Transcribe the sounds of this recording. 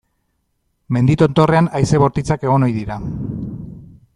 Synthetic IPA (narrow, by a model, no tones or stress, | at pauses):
me̞nd̪it̪o̞nt̪o̞re̞anajse̞βo̞ɾt̪it͡sake̞ɣ̞o̞no̞jðiɾa